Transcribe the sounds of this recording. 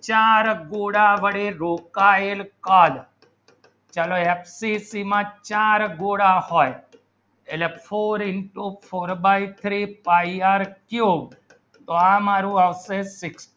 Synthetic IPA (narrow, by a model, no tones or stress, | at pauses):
t͡ʃaɾɡoɽaʋəɽiɾokaelkal | t͡ʃaloepʰsisimãt͡ʃaɾɡoɽahoj | elefʰoɾɪɳʈupʰoɾbait̪ʰɾipaiaɾkjub | t̪oamaɾũaʋsesɪks